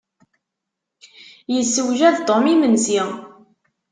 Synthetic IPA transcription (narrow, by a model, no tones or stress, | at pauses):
jəsːəwʒæðt̪ˤomimənzi